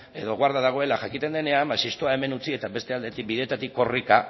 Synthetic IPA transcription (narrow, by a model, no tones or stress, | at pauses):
e̞ðo̞ɣwaɾðaðaɣ̞o̞e̞laʝakit̪e̞nd̪e̞ne̞ambasist̪oae̞me̞nut͡sie̞t̪aβe̞st̪e̞ald̪e̞t̪ik̚biðet̪at̪ikːo̞rika